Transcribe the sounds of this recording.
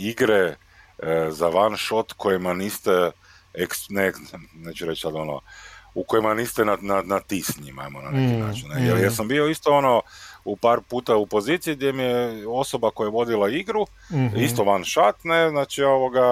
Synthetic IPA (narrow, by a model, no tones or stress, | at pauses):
iɡɾe | zaʋanʃo̞t̪kʰo̞jimaniːst̪e | eksnenet͡ʃuɾet͡ʃsad̪o̞no̰uko̞jemaniːst̪enananat̪isɲima̰emona̰nekina̰ːt͡ʃinejelijesambio̞ist̪oonoupaːɾpuːt̪aupo̞zit̪sijiɡd̪jemijeo̞so̞bakojajeʋo̞d̪ilaiɡɾu | ist̪oʋanʃat̪neznaːt͡ʃio̞ʋoɡa